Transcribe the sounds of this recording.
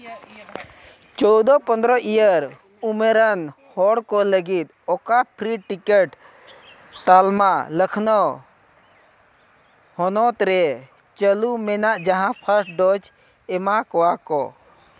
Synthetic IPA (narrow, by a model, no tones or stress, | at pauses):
t͡ʃɔwd̪ɔpənd̪ɾɔʔijəɾ | umeɾənhɔɽkɔləɡit̪̚ | ɔkapʰɾiʈikəʈ | t̪almaləkʰnɔ | hɔnɔt̪ɾɛ | t͡ʃəlumɛnaʔd͡ʒaɦãpʰəɾʈ̚ɖɔd͡ʒ | ɛmakɔakɔ̰